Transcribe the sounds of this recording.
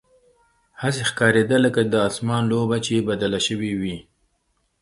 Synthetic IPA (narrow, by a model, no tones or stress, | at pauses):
hasexkɑɾed̪aləkad̪əɑsmɑnlobat͡ʃebad̪alaʃəwiwi